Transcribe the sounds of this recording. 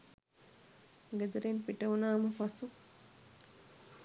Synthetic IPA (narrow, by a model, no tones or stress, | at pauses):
ɡed̪ɐɾenpiʈɐʋunaːməfasu